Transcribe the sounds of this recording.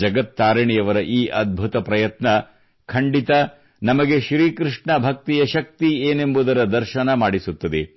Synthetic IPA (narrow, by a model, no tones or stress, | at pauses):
d͡ʒɐɡɐt̪ːaːɾɐɳijɐʋɐɾɐʔiːʔɐd̪̚bʱut̪ɐpɾɐjɐt̪nɐ | kʰɐɳɖit̪ɐ | nɐmɐɡe̞ʃɾiːkɾiʂɳɐbʱɐk̚t̪ijɐʃɐk̚t̪ieːne̞mbud̪ɐɾɐd̪ɐɾʃɐnɐmaːɽisut̪ːɐd̪e